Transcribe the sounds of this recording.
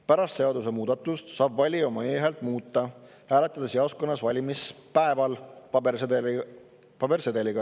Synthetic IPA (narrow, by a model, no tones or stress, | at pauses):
pæɾɑst̪se̞ɑd̪us̬e̞muːd̪̥ɑt̪ːˑust̪sɑːbvɑlʲio̞mɑeːɦelt̪ˑmuːt̪ːˑɑ | hæːlet̪ːˑɑd̪̥eseosko̞nːɑsvɑlʲimispæevɑlpɑbes | pɑbe̞rse̞d̪̥e̞lʲiɡ̥ɑ